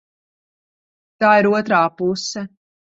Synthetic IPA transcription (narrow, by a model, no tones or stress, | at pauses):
t̪aːiɾuɔt̪ɾaːpusɛ